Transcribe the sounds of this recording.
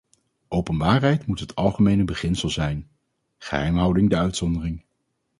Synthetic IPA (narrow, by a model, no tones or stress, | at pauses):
ʔowpənbaːrɦɛjtmutɦətʰɑlˠχəmejnəbəχɪnsəlˠzɛjn | χə̰ɦɛjmɦʌwdɪŋdəœɥtsɔndərɪŋ